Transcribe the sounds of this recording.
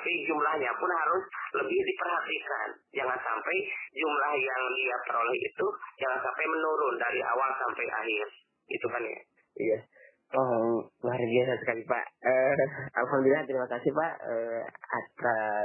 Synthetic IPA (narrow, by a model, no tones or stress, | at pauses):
pid͡ʒumlahɲapʊnɦaɾʊsləbɪhdipərɦat̪ika̰n | d͡ʒaŋansampajd͡ʒumlahjaŋdiat̪əɾolɛhḭt̪ud͡ʒaŋansampajmənuɾʊndaɾiʔa̰walsampajʔa̰ɦɪr | ḭt̪ukanja̰ | ija | ɔmaaɾbiasasə̥kalipa̰ʔəa̰lɦamd̪ulilat̪əɾimakasɪhpaʔəa̰t̪ɾa